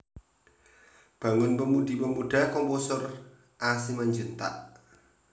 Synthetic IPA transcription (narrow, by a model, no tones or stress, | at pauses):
b̥a̤ŋʊnpəmud̪̥i̤pəmuɖ̥a̤kɔmposʊr | ʔasimaɲd͡ʒut̪a̰ʔ